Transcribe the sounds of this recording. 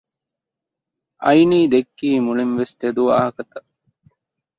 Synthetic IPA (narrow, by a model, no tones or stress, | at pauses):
ɐjniːd̪ekːiːmulinʋest̪ed̪uaːɦɐkɐt̪ɐ